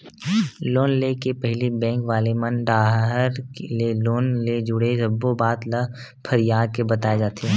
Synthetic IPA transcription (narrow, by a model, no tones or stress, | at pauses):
loːnlekepɛɦlibɛ̃ːŋkʋaːlemɐnɖaːɦəɾkleloːnled͡ʒʊɽesɐbːobaːt̪lə | pʰəɾɪjaːd̪̚kebɐt̪aːed͡ʒaːt̪eɦɛ̃ː